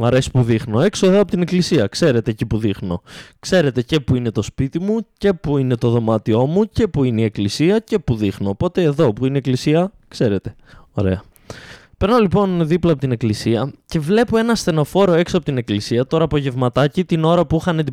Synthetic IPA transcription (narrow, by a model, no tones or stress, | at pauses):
mɐɾe̞si̥puðixno̞e̞ksoeðoɐpot̪ine̞klisiɐkse̞ɾe̞t̪e̞ːcipuðixno̞̰kse̞ɾe̞t̪e̞ce̞puine̞t̪o̞spit̪imuce̞puine̞t̪o̞ðomɐt̪io̞muce̞puineie̞klisiɐce̞puðixno̞ːpo̞t̪e̞ːðo̞puineeklisiɐkse̞ɾe̞t̪e̞̥ | o̞̰ɾe̞̰ɐ | pe̞ɾnolipo̞nðiplɐpot̪ine̞klisiɐce̞vle̞poe̞nɐsθe̞no̞fo̞ɾo̞e̞ksoɐpot̪ine̞klisiɐt̪o̞ɾɐːpo̞ʝe̞vmɐt̪ɐcit̪ino̞ɾɐpuixɐned̪i